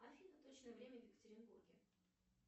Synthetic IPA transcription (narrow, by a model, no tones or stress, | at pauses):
afʲinət̪ot͡ɕnəjəvɾʲemʲəvʲjɪkə̥t̪ʲəɾʲɪnburɡʲɪ̰